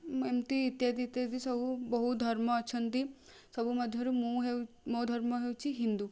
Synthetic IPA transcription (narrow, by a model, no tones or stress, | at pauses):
emt̪iːt̪jad̪it̪jad̪isɔbʱubɔɦut̪d̪ʱɐɾmɔːt͡ʃʰənt̪i | sɔbʱuməd̪ʱjɐɾumuɦew | mod̪ʱɐɾmɔɦeut͡ʃʰiɦind̪u